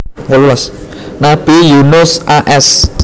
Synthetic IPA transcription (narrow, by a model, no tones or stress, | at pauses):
wajulas | nab̥ijunosʔaʔɛs